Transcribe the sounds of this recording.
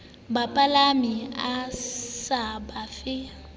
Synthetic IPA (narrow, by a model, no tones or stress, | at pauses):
bapʼalamiasabafɪ